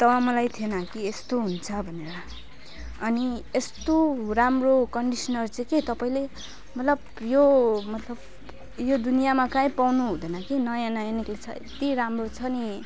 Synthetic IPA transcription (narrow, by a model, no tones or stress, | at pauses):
t̪ʌwamʌlajt̪ʰienʌkiest̪oɦunt͡sʰʌbʱʌneɾʌː | niest̪oramrokʌɳɖisʌnʌrt͡sʌ̃ket̪ʌpaĩle | mʌt̪lʌb | jomʌt̪lʌb | jod̪unijamakaĩpawnuɦũd̪ʌnʌkinʌjãnajaniklet͡sʰʌḛt̪iɾamrot͡sʰʌni